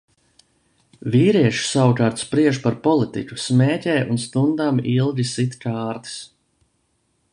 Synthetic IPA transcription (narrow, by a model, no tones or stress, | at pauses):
viːɾiɛʃi̥sawukaːɾt̪spɾiɛʃpaɾpɔlˠit̪ḭkʲusmɛːcʲɛːjʔunst̪und̪amilˠɡʲisit̪kaːɾt̪i̥s